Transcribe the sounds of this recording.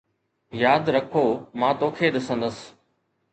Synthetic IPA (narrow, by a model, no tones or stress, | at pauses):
jaːd̪ɾəkʰoːmãːt̪oːkʰeɗ̪ɪsə̃nd̪əs